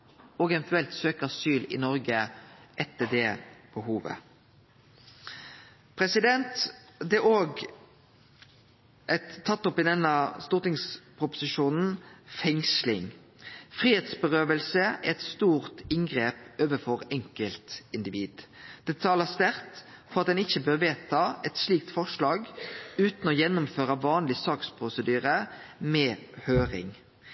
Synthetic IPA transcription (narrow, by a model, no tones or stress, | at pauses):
oːɡɛʋɛnt̪ʉɛlt̪søːkəɑsyːlɪ̰nɔɾɡəʔɛt̪ːəd̪ɛːb̥əhuːʋə̰ | pʰʁɛsɪd̪ɛnt̪d̪ɛoːɡ | ʔɛt̪ʰːɑt̪ːɔpɪd̪ɛnːɑst̪uːʁt̪ɪŋspʰʁʊpʊ̥sɪʃuːnn̩fɛŋslɪŋ | fʁiːheːt̪sbəʁøːʋəlsəæʁɛt̪st̪uːʁt̪ɪŋɡʁeːpøːʋəfɔʁɛŋkəlt̪ɪnd̪ɪʋiːd̪d̪̥ɛt̪ʰɑːləst̪æʁt̪ | fɔʁɑt̪̚d̪ɛnɪçːəbøːʁʋeːt̪ʰɑɛt̪sliːk̚t̪fɔʁʂlɑːɡʉːt̪nɔjɛnːʊmføːɾəʋɑːnlɪsɑːkspʰʁʊsəd̪yːʁəmɛhøːʁɪ̰ŋ